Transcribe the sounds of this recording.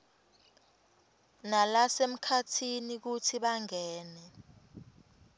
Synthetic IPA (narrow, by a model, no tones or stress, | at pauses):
nalasem̩kʰatʰinik̬utʰiɓaŋɛːnɛ